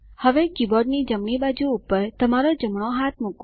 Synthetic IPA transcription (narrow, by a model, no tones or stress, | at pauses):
həʋekibɔɖnid͡ʒəmɳibad͡ʒuːpəɾt̪əmaɾod͡ʒəmɳoɦat̪̚ʰmuk